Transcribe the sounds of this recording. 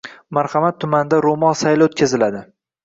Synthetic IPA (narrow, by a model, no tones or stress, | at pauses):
maɾhɑmat̪ʰːʊmand̪aɾomɒnˠsajlaot̪̚kʲazɪlad̪ɪ